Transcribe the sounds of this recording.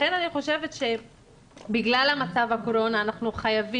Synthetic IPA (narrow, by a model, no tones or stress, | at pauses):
enaniχo̞ʃe̞ve̞t̪ʃe̞ | biɡlalamat͡savhakoɾo̞naːnaχnuχajavi